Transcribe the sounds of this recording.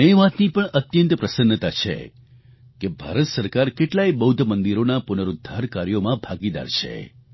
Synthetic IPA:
nəjʋat̪nipəɳət̪jənt̪əpɾəsənːət̪at͡ʃʰḛ | kebʱa̰ɾət̪səɾkaɾkeʈlaibəɦud̪ʱmənd̪iɾonapʊnəɾud̪ʱːaɾkaɾjomãbʱaɡid̪a̰ɾt͡ʃʰḛ

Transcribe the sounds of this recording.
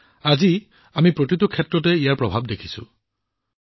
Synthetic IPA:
azi | amipɹotitukʰːɛtɹɔt̬ɛijaɹpɹɔbʱab̚dekʰi̥sʊ̰

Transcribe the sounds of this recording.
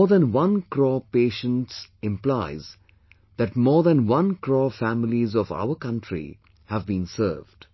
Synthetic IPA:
ðæ̃nwʌ̃nkɾɔːpeːʃə̃nʈsɪ̃mplaɪz | d̪æʈmɔːðæ̃nwʌ̃nkɾɔːfæmɪlizɔva̰ʊəkʌ̃nʈɾḭ | hævbĩːnsə̰ːvd̥

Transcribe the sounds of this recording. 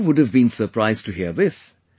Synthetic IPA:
wʊdɨvbĩnsə˞pʰɹ̥aɪztɨɦiəðɪs

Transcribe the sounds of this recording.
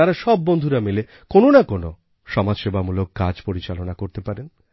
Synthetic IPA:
aɾaʃɔbːond̪ʱuɾamele | kononakono | ʃɔmad͡ʑʃebamulokːad͡ʑpoɾit͡ɕalonakoɾt̪epaɾen

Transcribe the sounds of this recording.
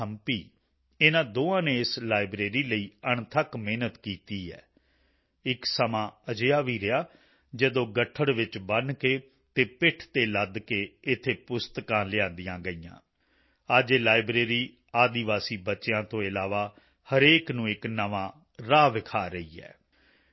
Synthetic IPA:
əmpiː | ɪnãːd̪oːãːneːɪslaːɪbɾeːɾiːləiːəɳt̪ʰəkmeːnət̪kiːt̪iːɛ̰ː | ɪksəmãːəd͡ʒejaːʋiːɾɪaː | d͡ʒəd̪õːɡəʈʰːəɽʋɪt͡ʃbənkeː | t̪eːpɪʈʰt̪eːləd̪keːɪt̪ʰːeːpʊst̪əkãːlɪãːnd̪ɪjãːɡəiːã̰ː | əd͡ʒeːlaːɪbɾeːɾiː | aːd̪iʋaːsiːbətːʃejãːt̪õːɪlaːʋaː | həɾeːknũːɪknəʋãː | ɾaːʋɪkʰaːɾəiːɛ̰ː

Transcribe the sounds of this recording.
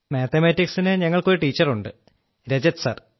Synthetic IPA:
meːt̪ʰɐmeːtːiksinɨɲɐŋːɐɭko̞ɾuʈiːt͡ɕːɐruɳɖɨ | ɾed͡ʑɐt̪sɐ̰r

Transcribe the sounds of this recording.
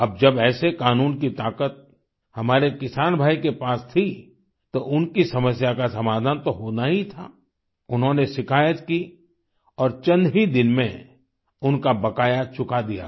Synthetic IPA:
ɐb̚d͡ʒɐbɛːsekaːnuːnkit̪aːkət̪̚ | hɐmaːɾekɪsaːnbʱaːikepaːst̪ʰi | t̪oʔʊnkisɐməsjakasɐmaːd̪ʱaːnt̪oɦoːnaɦit̪ʰa̰ː | ʊnɦõnesɪkʰaːjət̪ki | ɔːɾt͡ʃɐ̃nd̪ʱɦid̪ɪnmḛ̃ | ʊnkabɐkaːjat͡ʃʊkad̪ija̰

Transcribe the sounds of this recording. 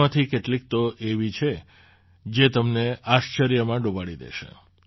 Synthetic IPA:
ãt̪ʰikeʈlik̚t̪oʔeʋit͡ʃʰe | d͡ʒet̪əmneaʃt͡ʃəɾjəmãɖobaɽid̪ḛʃḛ

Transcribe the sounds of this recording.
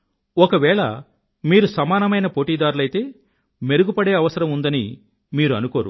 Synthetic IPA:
ɔkɐʋɛːɭɐ̰ | miːɾusɐmaːnɐmɐjnɐpoːʈiːd̪aːɾulɐjit̪e̞ː | me̞ɾuɡupɐɽeːɐʋɐsɐɾɐmund̪ɐni | miːɾuɐnuko̞ːɾṵ

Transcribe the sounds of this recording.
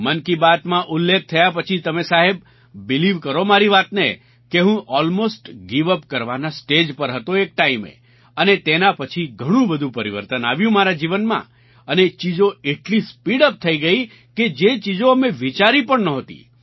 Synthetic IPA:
mənkibat̪mãʔʊlːek̚ʰt̪ʰəjapət͡ʃʰit̪əmesaɦebː | ɪliʋkəɾomaɾiʋat̪ne | keɦũʔɔlmosʈɡiʋəpkəɾʋanasʈed͡ʒpəɾɦət̪oek̚ʈaimḛ | ənet̪enapət͡ʃʰiɡʱəɽ̃ũbəd̪ʱũpəɾiʋəɾt̪əna̰ʋjũmaɾad͡ʒiʋənmã̰ | ənet͡ʃid͡ʒoeʈlispiɽəp̚t̪ʰəiɡəi | ked͡ʒet͡ʃid͡ʒoəmeʋit͡ʃaɾipəɳnəɦət̪ḭ

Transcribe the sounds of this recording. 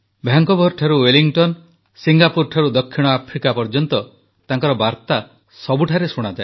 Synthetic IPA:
bʱjaŋkɔbʱɔɾʈʰaɾuweliŋʈɔn | siŋɡapuɾʈʰaɾud̪ɔkʰːiɽ̃ɔapʰɾikapɔɾd͡ʒɔnt̪ɔ | t̪aŋkɔɾɔbaɾt̪a | sɔbuʈʰaɾesuɽ̃ad͡ʒae

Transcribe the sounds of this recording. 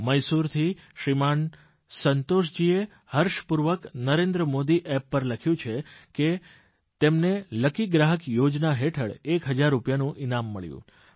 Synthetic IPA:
məjsuɾt̪ʰiʃɾiman | sənt̪oʃ̬d͡ʒie | həɾʃpuɾʋəknəɾend̪ɾəmod̪iʔɛpːəɾləkʰjũt͡ʃʰeke | t̪emneləkiɡɾaɦəkjod͡ʒnaɦeʈʰəɽekɦəd͡ʒaɾːupjanũʔɪnamːəɭjṵ̃

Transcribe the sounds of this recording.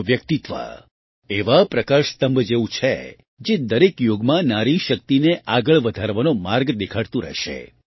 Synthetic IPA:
ʋjək̚t̪it̪ʋa̰ | eʋapɾəkaɾst̪əmbʱd͡ʒeʋũt͡ʃʰe | d͡ʒed̪əɾekjoɡmãnaɾiʃək̚t̪ineʔaɡəɭʋəd̪ʱaɾʋanomaɾɡd̪ekʰaɽt̪ũɾə̰ʃḛ

